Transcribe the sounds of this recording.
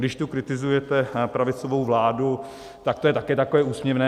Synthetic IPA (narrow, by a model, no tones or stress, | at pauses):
dɪʃt̪ukɾɪt̪ɪzujɛt̪ɛpɾavɪt͡sovowvlaːdu | t̪ak̚t̪ojɛt̪akɛːt̪akovɛːuːsmɲɛvnɛː